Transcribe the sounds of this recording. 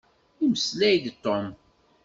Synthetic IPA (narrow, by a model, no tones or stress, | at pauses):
iməslæjd̪t̪ːom